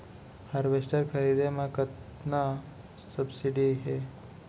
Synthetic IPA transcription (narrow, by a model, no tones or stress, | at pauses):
həɾʋesʈəɾkʰəɾid̪emãkət̪na | səbsiɖiɦe